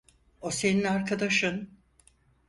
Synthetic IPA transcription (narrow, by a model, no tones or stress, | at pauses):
ose̞ninaɾkʰad̪aʃɯn